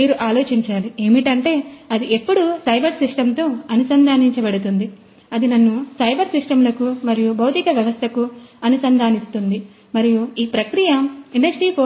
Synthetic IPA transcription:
iːɾuʔaːlo̞ːt͡ʃiɲt͡ʃaːlie̞ːmiʈɐɳʈe̞ːɐd̪iʔe̞pːuɽusɐjbɐɾsiʂʈɐmt̪o̞ːɐnusɐnd̪ʱaːniɲt͡ʃɐbɐɽut̪und̪i | ɐd̪inɐnːusɐjbɐɾsiʂʈɐmlɐkumɐɾijubʱɐwt̪ikɐʋjɐʋɐst̪ʰɐkuɐnusɐnd̪ʱaːnist̪und̪i | mɐɾijuiːpɾɐkɾijɐiɳɖɐd͡ʒiʈiːko

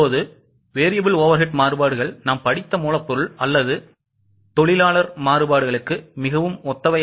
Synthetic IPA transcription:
oːðɯ | ʋeːɾɪjɐbɪloːʋɐɾɦɪʈmaːɾɯbaːɽɯɣɐɭnaːmpɐɽɪt̪ːɐmuːɭɐpːɔɾɯɭɐlːɐðɯ | t̪ɔɭɪlaːɭɐɾmaːɾɯbaːɽɯɣɐɭɯkːɯmɪɣɐʋɯmɔt̪ːɐʋɐ

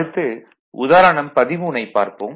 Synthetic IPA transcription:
ɯt̪ːɯ | ʊ̰ðaːɾɐɳɐmpɐðɪmuːnɐɪpːa̰ːɾpo̰ːm

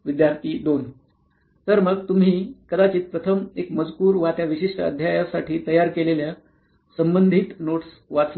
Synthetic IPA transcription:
ʋid̪jaɾt̪ʰiːd̪on | t̪əɾməɡt̪um̤iːkəd̪at͡ɕiːt̪̚pɾət̪ʰəmekməd͡zkuːɾʋat̪jaʋiɕiʂʈəə̰d̪ʱjajasaʈʰiːt̪əjaɾkelelja | səmbənd̪ʱit̪noʈs | ʋat͡s

